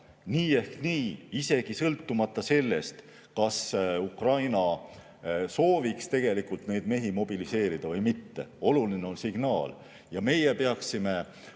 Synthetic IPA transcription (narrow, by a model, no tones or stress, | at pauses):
niːe̞hkniːise̞ɡ̥isɤlt̪ˑːumɑt̪ˑːɑse̞lːe̞̰st̪ | kɑsukrɑjnɑ | so̞ːvikst̪e̞ɡ̥e̞likult̪ne̞jd̪̥me̞ɦimo̞b̥ilise̞ːɾid̪̥ɑvɤjmit̪ːe̞̰o̞lulineo̞nsiɡ̥nɑːl | jɑme̞jepe̞ɑksime̞